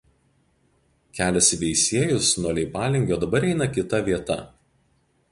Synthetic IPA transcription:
kʲæːlʲɛsʲʋʲɛɪsʲiɛjʊsnuɔlʲɛɪpɑːlʲɪŋʲɡʲoːd̪ɐbɐɾɛɪnɐkʲɪt̪ɐʋʲiɛt̪ɐ

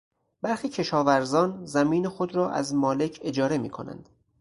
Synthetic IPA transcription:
b̥æɾxiːcʰe̞ʃɒːvæɾzɒːnzæmiːnexod̪ɾɒːʔæ̰zmɒːle̞cʰe̞d͡ʒɒːɾe̞miːkʰo̞̰næ̰nd̪̥

